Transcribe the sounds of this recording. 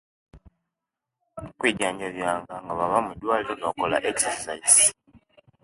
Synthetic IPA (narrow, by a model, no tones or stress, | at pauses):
kwiːɟaːɲɟaβjaːŋɡaŋɡaβaβamudwaːliɾo̞no̞ːko̞la̰ʔeksesais